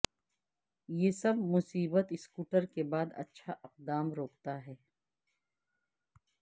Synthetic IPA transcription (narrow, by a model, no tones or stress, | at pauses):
jeːsɐbmʊsiːbət̪ɪskuːʈəɾkebaːd̪ɐ̰tːʃʰaʔɪq̚d̪aːmɾoːkt̪aɦɛː